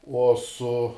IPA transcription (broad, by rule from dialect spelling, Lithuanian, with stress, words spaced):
ˈuɔ ˈsʊ